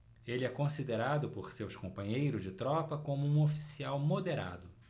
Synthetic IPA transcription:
elɪɛkõsid̪eɾad̪ʊpoɾsewʃskõmpɐ̃ɲejɾʊzd͡ʒɪt̪ɾɔpɐkõmʊũofi̥siawmod̪eɾa̰d̪ʊ

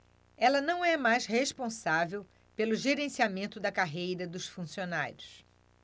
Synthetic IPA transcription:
ɛlɐnɐ̃w̃ɛmajsheʃpõsavew | pelʊʒeɾẽsiamẽnt̪ʊd̪ɐkaɦejɾɐd̪ʊsfũsiona̰ɾʲjʊs

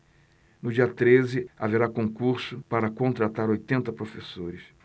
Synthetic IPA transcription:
nʊd͡ʒiɐt̪ɾezɪa̰veɾakõkuɾsʊpaɾɐkõnt̪ɾat̪aɾojt̪ẽnt̪ɐpɾofesoɾɪs

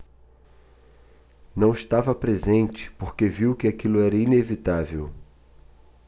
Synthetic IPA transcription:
nɐ̃w̃iʃt̪avɐpɾezẽnt͡ʃɪ̥poɾkeviwkɪakilʊɛɾɐinevit̪avew

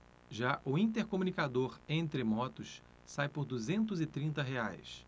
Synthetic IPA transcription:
ʒaʔʊĩnt̪eɾkomũnikad̪oɾẽnt̪ɾɪmɔt̪ʊs | sajpʊɾd̪uzẽnt̪ʊzɪt̪ɾĩnt̪ɐɦeajs

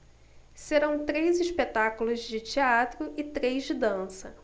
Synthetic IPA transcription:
seɾɐ̃w̃t̪ɾejziʃpet̪akulʊzd͡ʒɪt͡ʃiat̪ɾʊʔɪt̪ɾejzd͡ʒɪd̪ɐ̃sɐ

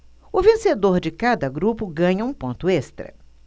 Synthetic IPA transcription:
ʊvẽsed̪oɾd͡ʒɪkad̪ɐɡɾupʊɡɐ̃ɲɐũpõnt̪ʊest̪ɾɐ̰

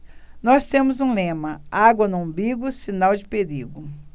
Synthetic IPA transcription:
nɔst̪ẽmʊzũlẽmɐaɡwɐnʊɐ̃biɡʊsinawd͡ʒɪpeɾiɡʊ

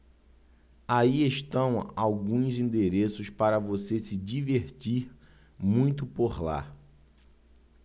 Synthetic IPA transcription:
aieʃt̪ɐ̃w̃awɡũzĩnd̪eɾesʊspaɾɐvosesɪd͡ʒiveɾt͡ʃiɾ | mũj̃t̪̬ʊpoɾla̰

